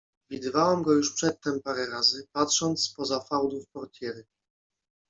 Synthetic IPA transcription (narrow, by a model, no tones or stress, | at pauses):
vʲid̪ɘvawɛmɡɔjuʂpʂɛt̪ːɛmpaɾɛɾazɘpatʂɔnt̪spɔzafawd̪ufpɔɾt̪ʰʲjɛɾɘ